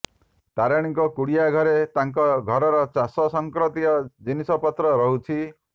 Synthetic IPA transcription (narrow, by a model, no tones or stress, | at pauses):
t̪aɾaɽ̃ikɔkuɽijaɡʱɔɾet̪aŋkɔɡʱɔɾɔɾɔt͡ʃasɔsɔŋkɾɔt̪iɔd͡ʒinisɔpɔt̪ɾɔɾɔɦut͡ʃʰi